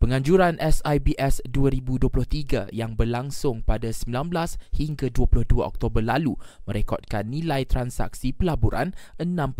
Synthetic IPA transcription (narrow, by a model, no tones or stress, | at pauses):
pəŋãɲd͡ʒuɾanʔɛsajbiʔɛsduaɾibuduəplʊht̪iɡajaŋbərlaŋsʊŋpadasəmbilanblashiŋɡaduəpulʊhduaʔɔ̰k̚t̪obərlalumə̃ɾekɔt̪̚kanːĩlajt̪ɾansa̰k̚sipəlaboɾa̰nʔənãm